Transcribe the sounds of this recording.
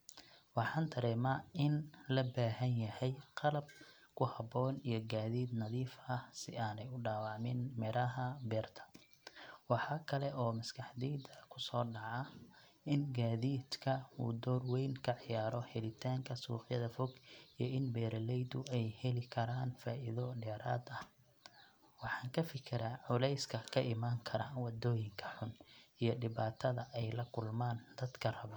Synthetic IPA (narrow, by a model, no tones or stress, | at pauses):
wɑħɑːnt̪ʰɐɾɛːmaːɪnlɐbaːɦɐnjɐhɛjqɑlɐb̚ | kʰʊhɐbɔːnijɞɡaːðiːd̪nɐðiːfɐhsɪaːnɛjʊɖaːwɑʕmɪnmɪɾɐɦɐbɛːrt̪ʰɐ̥ | wɑħɑkʰɐlɛʔɔːmɐskʰɑħd̪iːd̪ɐkʰʊsɔːɖɑʕɑ | ʔɪnɡaːðiːd̪kʰɐuːd̪ɔːrwɛjnkʰɐʕɪjaːɾɔhɛlɪt̪ʰaːŋkʰɐsṵːħjɐðɐfɔɡijɔɪnbɛːɾɐlɛjd̪ʊɛjhɛlɪkʰɐɾaːnfaːʔɪðɔɖɛːɾʔa̰ːd̪ɐh | wɑħɑːŋkʰɐfɪkʰɪɾaːʕʊlɛjskʰɐkʰɐʔɪmaːŋkʰɐɾaːnwɑd̪ɔːjɪŋkʰɐħʊnijɞɖɪβaːt̪ʰɐðɐʔɛjlɐkʰʊlmaːnd̪ɐd̪kʰɐrɐβɐ